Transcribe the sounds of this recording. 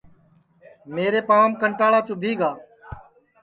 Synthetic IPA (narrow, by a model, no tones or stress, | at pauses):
meːɾeːpaːmkəɳʈaːɭaːt͡ʃʊːbʱiːɡaː